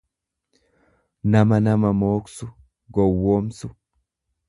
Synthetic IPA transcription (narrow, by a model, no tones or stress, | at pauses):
nɐmɐnɐmɐmoːksʊ | ɡɔwːoːmsʊ